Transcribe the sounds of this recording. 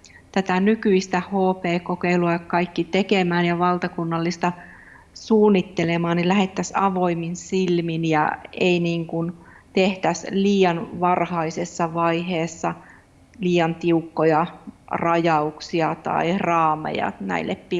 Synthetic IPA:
t̪æt̪ænykyist̪æhoːpeːkokeiluɑkkɑikːit̪ekemæːnjɑʋɑlt̪ɑkunːɑlːist̪ɑ | suːnːit̪ːelemɑːnnilæhet̪ːæsɑʋoiminsilminjɑ̰einiːŋkunt̪eht̪æsliːjɑnʋɑrhɑisesːɑʋɑiɦeːsːɑ | liːɑnt̪iukːojɑrɑjɑuksiɑt̪ɑ̰irɑːmḛjɑ̰næ̰ilːḛppi

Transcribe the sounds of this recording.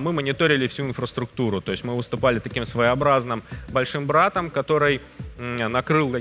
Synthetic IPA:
mɨmənʲɪt̪o̞ɾʲɪlʲɪfsʲuɪnfɾəst̪ɾʊkt̪uɾʊt̪o̞ɪsʲmɨvɨst̪ʊpalʲɪt̪ɐkʲimsvəjəɐbɾaznɨmbɐlʲʂɨmbɾat̪əmkɐt̪o̞ɾɨj | nɐkɾɨlˠkɐ

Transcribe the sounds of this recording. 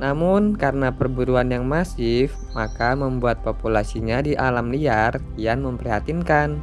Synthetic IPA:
namʊnkaɾənapərbuɾuanjaŋmasɪf | makaməmbuat̪̚populasiɲadiʔalamliar | ijanməmpəɾiɦat̪inkan

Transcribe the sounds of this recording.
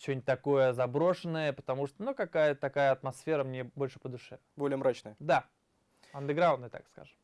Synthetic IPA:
t͡ɕːonʲtʲt̪ɐko̞jəzɐbɾo̞ʂɨnːəjəpə̥t̪ɐmuʂt̪onukɐkajət̪ɐkajəɐt̪mɐsfʲe̞ɾəmnʲebo̞lʲʂɨ̥pəd̪ʊʂɛ | bolʲɪjəmɾat͡ɕnəjəd̪a | ɐnd̪ɨɡɾawʊnd̪əjt̪a̰kska̰ʐɨm

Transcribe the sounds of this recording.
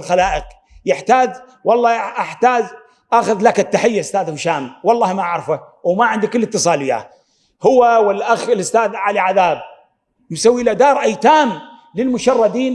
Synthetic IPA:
lxalaːʔɪq | jɪħt̪aːd͡ʒ | wɑlˤːɑːʔɪħt̪aːd͡ʒ | ʔaxʊðlakat̪ːaħɪjːaʔʊst̪aːðhʊʃaːmwɑlˤːɑːhmaʔaʕɾfa | wmaʕɪnd̪ikɪlːɪt̪ːɨsˤɑːlɪja̰ː | hʊwːawɪlʔaxɪlʊst̪aːðʕaliʕaðaːb̚ | msawːiʔlad̪ɑːɾˤʔajt̪aːm | lɪlmʊʃɑrˤːɑd̪iːn

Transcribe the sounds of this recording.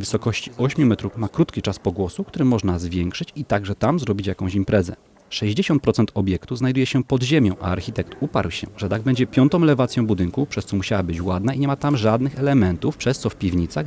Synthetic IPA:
vɘsɔkɔɕt͡ɕi̥ʔɔɕmʲjumɛt̪ɾufmakɾut̪kʲit͡ʂaspɔɡwɔsukt̪uɾɘmɔʐnazvʲjɛŋkʂɘt͡ɕit̪aɡʐɛt̪amzɾɔbʲit͡ɕjakɔ̃ɕimpɾʔɛzɛ̰ | ʂɛʑd͡ʑeɕɔnt̪̚pɾɔt̪sɛnt̪ɔbʲjɛkt̪uznajd̪ujɛɕɛpɔd̪ʑemʲjɔ̃w̃ʔa̰aɾxʲit̪ɛkt̪upa̰ɾwɕɛ̰ʐɛt̪aɡ̚bɛɲd͡ʑɛpʲjɔnt̪ɔ̃w̃lɛvat̪sjɔ̃w̃bud̪ɘŋkupʂɛst̪sɔmuɕawabɘt͡ɕwad̪naiɲɛmat̪amʐad̪nɘxɛlɛmɛnt̪ufpʂɛst̪sɔfpʲivɲit̪saɣ

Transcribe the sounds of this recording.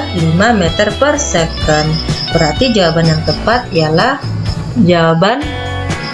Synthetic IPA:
t̪̚limamɛt̪ərpərsekənbəɾart̪id͡ʒawabanjaŋt̪əpat̪̚ijalah | d͡ʒawaban

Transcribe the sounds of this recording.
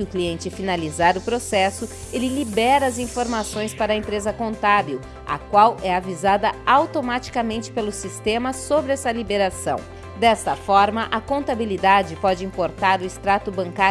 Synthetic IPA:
ʊkliẽnt͡ʃɪfinalizaɾʊpɾosɛsʊ | elɪlibɛɾɐɐzĩfoɾmasõj̃spaɾɐẽmpɾezɐkõnt̪abew | ɐ̰kwawɛavizad̪ɐawt̪omat͡ʃi̥kɐmẽnt͡ʃɪ̥pelʊsist̪ẽmɐsobɾɪɛsɐlibeɾasɐ̰̃w̃ | d̪ɛst̪ɐfɔɾmɐʔɐkõnt̪abilid̪ad͡ʒɪpɔd͡ʒɪĩmpoɾt̪aɾʊɪst̪ɾat̪ʊbɐ̃ŋka

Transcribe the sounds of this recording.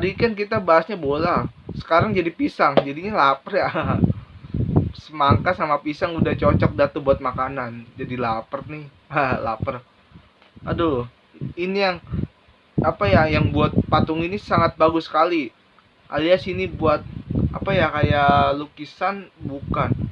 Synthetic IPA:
aɾikankit̪abaɦasɲabolasə̥kaɾaŋd͡ʒadipisaŋd͡ʒadinilapərja | səmaŋkasamapisaŋudaht͡ʃot͡ʃɔk̚dat̪ubuat̪̚makanand͡ʒadilapərnɪh | ala̰pər | ado | inijaŋ | apajajaŋbuat̪̚pat̪ʊŋinisaŋat̪̚baɡʊsə̥kali | ʔa̰liasinibuat̪̚a̰pajakajalukisanbukan

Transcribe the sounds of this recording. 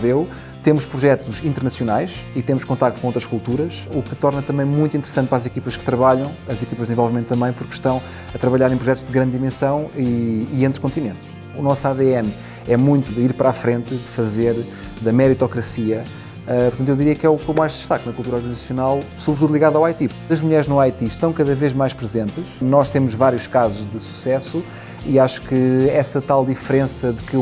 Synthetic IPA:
ðew | t̪emuʃpɾuʒɛt̪uʃĩnt̪ɨɾnɐsjunajʃit̪emuʃkõnt̪akt̪kõot̪ɾɐʃkulˠt̪uɾɐʃukɨt̪ɔɾnɐt̪ɐ̃mbɐ̃j̃mũj̃t̪ĩnt̪ɾɨsɐ̃nt̪pɾazikipɐʃkɨ̥t̪ɾɐβaʎɐ̃w̃ɐzikipɐʒðzẽvɔlˠvimẽnt̪ːɐ̃mbɐ̃j̃puɾkʃt̪ɐ̃w̃ | ɐt̪ɾɐβɐʎaɾɐẽpɾuʒɛt̪uʒ̥ðɨɣɾɐ̃nd̪ːimẽsɐ̃w̃iːẽnt̪ɾkõnt̪inẽnt̪ | unɔsaðeɛn | ɛmũj̃t̪uðɨiɾpɐɾafɾẽnt̪ɨðɨfɐzeɾ | ðɐmɛɾit̪ɔkɾɐsiɐ | ɛpɾt̪ɐ̃t̪̬ewðiɾiɐkɛukomajʒd̪ɨʃt̪aknɐkulˠt̪uɾɔɾɣɐnizɐsjunalˠsuβɾt̪uðulˠiɣaðawajt̪i | ɐʒmuʎɛɾʒnuajt̪iʃt̪ɐ̃w̃kɐðɐveʒmajʃpɾɨzẽnt̪ɨʃnɔʃt̪emuʒvaɾjuʃkazuʒðɨsu̥sɛsu | iaʃu̥kɨɛsɐt̪alˠd̪ifɾẽsɐðɨkɨ

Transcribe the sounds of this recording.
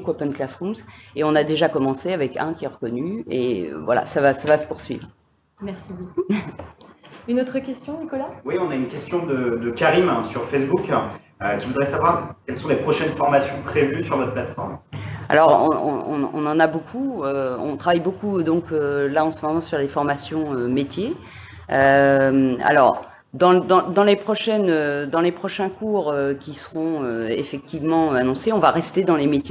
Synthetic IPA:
kwapɛnklasʁumseɔ̃nad̪eʒakɔmɑ̃seavɛkɛ̃kʲiɛʁəkɔnyḛvwa̰la̰savasavasə̥puʁsɥḭvʁ | mɛʁsiboku | ynot̪χəkʲɛst̪jɔ̃nikɔlawiɔ̃naynkʲɛst̪jɔ̃d̪əd̪əkʲaʁimɛ̃syʁfɛsbuk | økʲivud̪ʁɛsavwaʁkʲɛlsɔ̃lepχɔʃɛnfɔʁmasjɔ̃pχevysyʁvɔt̪χplat̪fɔ̰ʁma̰lɔʁɔ̰̃ɔ̰̃ɔ̰̃ɔ̰̃nɑ̃nabokʰuøɔ̰̃t̪χavajbokud̪ɔ̃kølaɑ̃səmɔmɑ̃syʁlefɔʁmasjɔ̃ømet̪je | øma̰lɔ̰ʁ | d̪ɑ̃d̪ɑ̃d̪ɑ̃lepχɔʃɛnød̪ɑ̃lepχɔʃɛ̃kuːʁøkʲisə̥ʁɔ̃øḛfɛk̚t̪ivmɑ̃øanɔ̃seɔ̃vaʁɛst̪ed̪ɑ̃lemet̪je

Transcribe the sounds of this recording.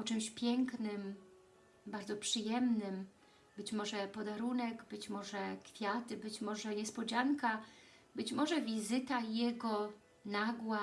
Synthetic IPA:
ɔt͡ʂɘmɕpʲjɛŋknɘm | baɾd̪zɔpʂɘjɛmnɘm | bɘt͡ɕmɔʐɛpɔd̪aɾunɛɡbɘt͡ɕmɔʐɛkfʲjat̪ɘbɘt͡ɕmɔʐɛɲɛspɔd͡ʑaŋka | bɘt͡ɕmɔʐɛvʲizɘt̪ajɛɡɔ | naɡwa

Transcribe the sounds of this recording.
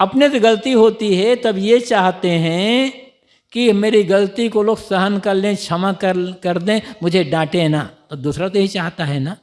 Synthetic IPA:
ɐpneseɡɐlt̪iɦoːt̪iɦɛt̪ɐbjet͡ʃaːɦt̪eɦɛ̃ | kimeːɾiɡɐlt̪ikoloːɡsɐɦənkɐɾlẽːt͡ʃʰɐmakɐkɐɾd̪ẽːmʊd͡ʒʱeɖãːʈẽnaːt̪od̪uːsɾat̪oɦit͡ʃaːɦt̪aɦɛnaː

